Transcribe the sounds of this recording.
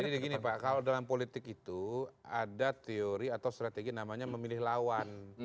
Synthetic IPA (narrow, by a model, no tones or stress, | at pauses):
adidiɡinipakalodalampolit̪ɪkit̪uadat̪eoɾiat̪awst̪ɾat̪eɡinamaɲaməmilɪhlawan